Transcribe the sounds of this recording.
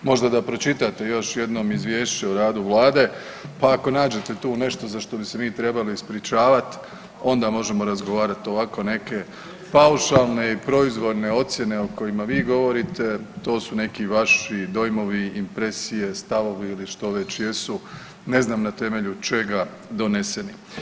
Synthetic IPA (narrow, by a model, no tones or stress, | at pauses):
mo̞ʒd̪ad̪apɾo̞t͡ʃit̪at̪e̞jo̞ʃje̞d̪no̞ːmizʋjeːʃt͡ɕeoɾaːd̪uʋlaːd̪e̞ | paːko̞naːd͡ʑe̞t̪e̞t̪uːne̞ʃt̪o̞zaʃt̪o̞bise̞miːt̪ɾe̞baliispɾit͡ʃaːʋat̪ | o̞nd̪amo̞ʒe̞mo̞ɾazɡo̞ʋaːɾat̪o̞ʋako̞ne̞ke̞ | pauʃalˠne̞ipɾo̞izʋo̞ɾne̞o̞t̪sje̞ne̞oko̞jimaʋiːɡo̞ʋo̞ɾit̪e̞t̪o̞ːsune̞kiʋaʃid̪o̞jmo̞ʋiimpɾe̞sije̞st̪aʋo̞ʋiiliʃt̪o̞ʋe̞t͡ɕje̞su | ne̞znaːmnat̪e̞me̞ʎut͡ʃe̞ɡa | d̪o̞ne̞se̞ni